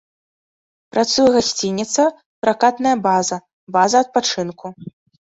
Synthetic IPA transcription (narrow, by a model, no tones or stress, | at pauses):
pɾat̪sujɐɣasʲt͡sʲinʲːit̪sɐ | pɾakat̪nɐjɐbazɐ | bazɐɐt̪̚pat͡ʂɨnkʰu